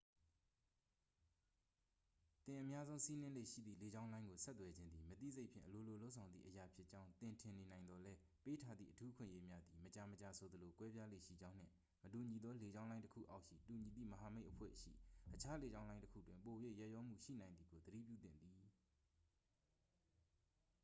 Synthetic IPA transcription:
t̪ɪ̃˨ʔəmja˦zõ˦ʊ̃si˦nɪ̃˦lḛ˦˨ʃḭ˦˨d̪ðḭ˦˨le˨d͡ʑã˦ʊ̃lã˦ɪŋɡo˨sɛ˦t̪ːwɛ˨d͡ʑɪ̃˦nd̪ði˨mət̪ḭ˦˨ze˦ɪʔpʰjɪ̰̃˨ʔəlo˨lo˨lo˦ʔsʰã˨ʊ̃nd̪ðḭ˦ʔəja˨pʰjɪ˦ʔt͡ɕã˦ʊ̃nt̪ɪ̃˨ntʰɪ̃˨ne˨nã˨ɪ̃nd̪ɔ˨lɛ˦ | pe˦tʰa˦d̪ðḭ˦˨ʔətʰu˦əkʰwɪ̰̃˦˨ʔje˦mja˦d̪i˨mət͡ɕa˨mət͡ɕa˨sʰo˨d̪əlo˨kwɛ˦bja˦lḛ˦˨ʃḭ˦˨d͡ʑã˦ʊ̃n̥ɪ̰̃˦˨ | mətu˨ɲi˨d̪ðɔ˦le˨d͡ʑã˦ʊ̃lã˦ɪ̃tə˦kʰṵ˦˨ʔa˦ʊʔʃḭ˦˨tu˨ɲi˨d̪ḭ˦˨məɦa˨me˦ɪʔəpʰwɛ̰˦˨ʃḭ˦˨ʔət͡ɕʰa˦le˨d͡ʑã˦ʊ̃lã˦ɪ̃təkʰṵ˦˨twɪ̃˨mpo˨jwe˦˨ja˦ʔjɔ˦m̥ṵ˦˨ʃḭ˦˨nã˨ɪ̃nd̪ði˨ɡo˨d̪əɾḭ˦˨pjṵ˦˨t̪ɪ̰̃˦˨nd̪ði˨

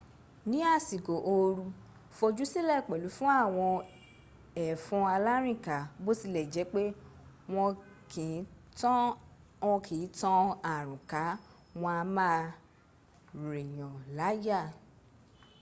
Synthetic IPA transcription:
nĩ˨˦a˦˨si˨ɡo˨ʔo˧ɾu˧ | fo˧d͡ʒu˦si˦lɛ˦˨k͡pɛ˨lu˨˦fũ˦a˦˨w̃ɔ̃˧ | ɛ˨fũ˧a˧la˦ɾ̃ĩ˦˨ka˨bo˦si˦˧˨lɛ˨d͡ʒɛ˨˦k͡pe˦w̃ɔ̃˧ | ki˨˦ | ɔ̃˧kʰĩ˨˦tɔ̃˦a˨ɾ̃ũ˨ka˨˦ | wɔ̃˧a˧mã˦˨ | ɾe˨j̃ɔ̃˨la˨˦ja˦˨

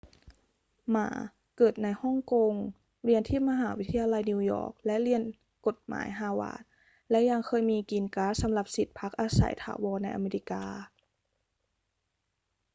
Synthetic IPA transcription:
ma̰ː˩˦ | kɤː˨˩t̪̚na˧jhɔ˥˩ŋko˧ŋ | li˧ənt̪ʰiː˥˩ma˧ɦaː˩˦wi˦˥t̪ʰːjaː˧la˧jni˧wjɔ̰ː˧˩k̚lɛ˦˥ʔli˧ən | ko˨˩t̪̚ma̰ː˩˦jɦaː˧wa̰ː˧˩˦t̪̚ | lɛ˦˥ʔja˧ŋkʰɤː˧jmiː˧kiː˧nkaː˦˥sa˨˩˦mla˨˩p̚si˨˩t̪̚pʰa˦˥k̚ʔaː˧sa̰˩˦jt̪ʰa̰ː˧˩˦wɔː˧na˧jʔa̰˧meː˧li˦˥kaː˧

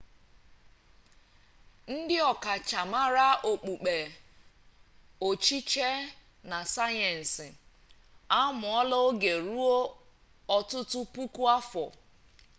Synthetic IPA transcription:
n̩˦dɪ˦ɔ˨ka˨t͡ʃa˨ma˦ɾa˦ʔo˨k͡pu˨k͡pe˨ | o˨t͡ʃi˦t͡ʃe˦ | na˨sa˦jɛ˨n̩˨sɪ˨ | a˦mʊ˨ɔ˦lɔ˦ɡe˨ɾu˦o˦ | ɔ˦tʊ˦tʊ˦pu˦ku˦a˦fɔ̰˨

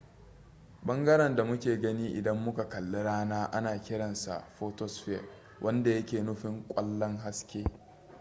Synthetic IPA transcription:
ɓɐ˦ŋɡɐ˦ɽɛ˨nda˨mʊ˦kʲeː˨ɡɐ˦niː˦ʔɪ˨dɐ˦mːʊ˦ka˨kɐ˨lːe˦ɽaː˦naː˦ʔa˦naː˨kʲɪ˦ɽɐ˨nsa̰˨ʔɸoː˦tɔ˦sɸɛ˦˨ | wʔɐ˦nda˨jɐ˦kʲeː˨nʊ˦ɸɪ˦ŋkʷʼɐ˦lːɐ˦ŋɦa˦skʲeː˦

